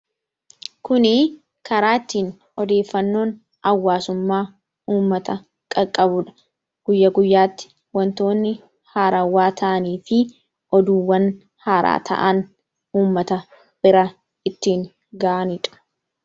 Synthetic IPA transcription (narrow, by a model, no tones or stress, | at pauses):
kʊnɪ | kɐɾaːɪt̪ːiːn | ɔd̪e̞ːfːɐnːo̞ːn | ɐwːaːsʊmːaː | uːmːɐt̪ɐ | kʼɐkʼːɐbʊᶑɐ̥ | ɡ̥ʊjːɐɡʊjːaːt̪ːɪ̥ | wɐnt̪o̞ːnːɪ | haːɾawaːt̪ʰɐʔɐniːfɪ | ʔɔd̪uːwːɐn | haːɾa̰ːt̪ʰɐ̰ʔɐn | uːmːɐt̪ɐ | b̥ɪɾɐ | ɪt̪ːiːŋ | ɡaːʔɐnɪᶑɐ̥